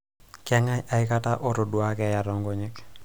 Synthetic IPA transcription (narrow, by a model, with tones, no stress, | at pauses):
kɛ˦ŋaa˨ɪ˦ka˦ta˦ʔo˦ɾo˨du˨a˦kɛ˨ja˨ɾɔ˨ŋɡo˦ɲɛ˦k